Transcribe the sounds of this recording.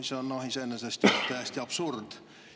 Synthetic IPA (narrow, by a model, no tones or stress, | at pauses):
isonːoɦisenːesest̪jt̪æjst̪iɑb̥surd̪̥